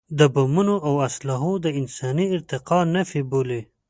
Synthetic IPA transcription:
d̪əbamunoʔawaslɑɦod̪əɪnsɑniɪɾt̪ɪqɑnafibole

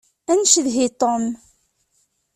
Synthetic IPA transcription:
ænʃðɦit̪ˤom

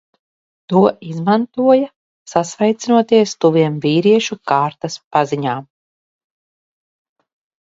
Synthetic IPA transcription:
t̪uɔʔizmant̪uɔja | sasvɛjt̪sinuɔt̪iɛst̪uviɛmviːɾiɛʃukaːɾt̪aspaziɲaːm

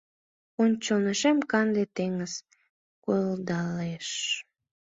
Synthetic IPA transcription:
onʲt͡ɕoneʃemkɑnd̪et̪eŋəz̥ | kold̪ɑleʃ

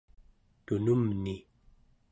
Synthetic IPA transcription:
t̪unumni

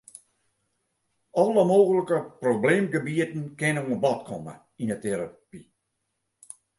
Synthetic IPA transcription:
ɔləmoːɣələkəprobleːmɡəbiətn̩kɪnoŋəbɔtkʰɔmə̰ | inəteɾapi

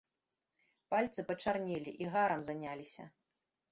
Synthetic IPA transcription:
palʲt̪sɨpɐt͡ʂarnʲilʲiʔiɣaɾɐmzanʲalʲisʲɐ̰

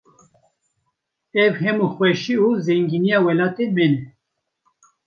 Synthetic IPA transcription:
ɛvhɛmuxwɛʃiuzɛŋɡinijaːwɛlaːt̪emɛnɛ

